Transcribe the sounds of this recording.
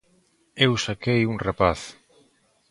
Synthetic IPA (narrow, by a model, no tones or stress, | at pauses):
ewsakejuŋrepaθ